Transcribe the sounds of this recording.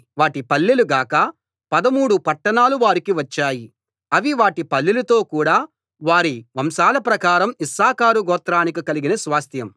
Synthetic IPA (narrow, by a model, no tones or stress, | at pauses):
ʋaːʈipɐlːiluɡaːkɐ | pɐd̪ɐmuːɽupɐʈːɐɳaːluʋaːɾikiʋɐt͡ʃːaːji | ɐʋiʋaːʈipɐlːilɐt̪o̞ːkuːɽaː | ʋaːɾiʋɐmsaːlɐpɾɐkaːɾɐmisaːkaːɾuɡɔːt̪ɾaːnikikɐliɡinɐsʋaːst̪ʰjɐm